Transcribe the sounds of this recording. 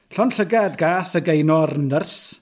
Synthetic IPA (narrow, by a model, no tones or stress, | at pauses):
ɬɔnɬəɡadɡaːθəɡejnɔrnərs